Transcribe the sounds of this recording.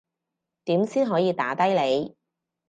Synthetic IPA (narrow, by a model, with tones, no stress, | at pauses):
t̪iː˨˥msiː˥nɦɔː˨˥jiː˨˧t̪aː˨˥t̪ɐ˥jle˨˧j